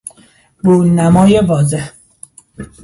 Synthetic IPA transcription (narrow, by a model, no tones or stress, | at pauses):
buːnæmɒːjevɒːzeh